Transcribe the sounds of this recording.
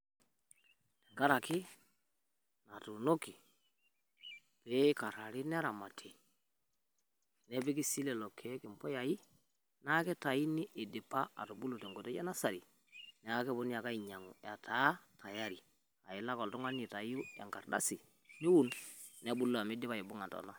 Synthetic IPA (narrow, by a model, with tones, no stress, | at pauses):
tɛ˨ŋɡa˦ɾa˨kɪ˦ | na˨tu˨no˦ki˨ | pɛ˦ka˨ɾa˨ɾi˦nɛ˦a˦ɾa˨ma˨tʰe˨ | nɛ˦pi˦ki˦si˦lɛ˨lɔ˨kʰːe˨˦kɪ˨mpɔ˦ja˨ji˦ | na˦kɛ˦ta˨i˦ni˦ʔe˨dɪ˨pːa˦a̰˨tu˨bu˦lu˨tɛ˨ŋɡo˨tɛ˦a˦na˦sa˨ɾi˨ | nɛ˨a˦kɛ˦bo˦ni˦a˨ka˦i˨ɲa˨ŋṵ˨ja˨tʰa˨˦tʰa˨ja˦ɾi˨ | a̰˨ɪ˨la˦kɔ˨ltu˦ŋa˦n˦i˨ta˨ju˦a̰˨ŋka˨rda̰˦si˨ | nɪ˦wu˦˨nn˦a˦bu˦lo˦a˨mɪ˦dɪ˦pa˨i˨bʊ˦ŋa˨ntɔ̰˨na˦